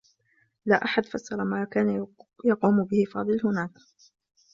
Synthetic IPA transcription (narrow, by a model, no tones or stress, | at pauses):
laːʔaħad̪fɑsːɑɾˤɑmaːkaːnajɑquːmʊbɪhɪfɑ̰ːd̪ˤɨlhʊnaːk